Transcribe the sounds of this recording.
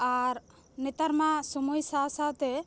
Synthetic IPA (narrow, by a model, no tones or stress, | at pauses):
aɾ | nɛt̪aɾmãsɔmujsasat̪ɛ